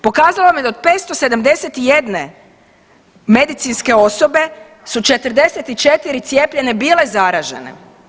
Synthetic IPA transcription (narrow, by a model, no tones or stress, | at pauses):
po̞kaːzalomjed̪aod̪̚pet̪st̪ose̞d̪amd̪e̞set̪ije̞d̪ne̞ | me̞d̪it̪sinske̞o̞so̞be̞ | sut͡ʃe̞t̪ɾ̩d̪e̞set̪it͡ʃe̞t̪iɾit̪sʲje̞ːpʎe̞ne̞biːle̞zaɾaːʒe̞̰nḛ